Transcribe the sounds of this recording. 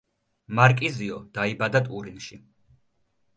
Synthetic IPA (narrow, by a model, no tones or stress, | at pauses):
maɾkʼiziɔd̪̥aibad̪at̪ʼuɾinʃi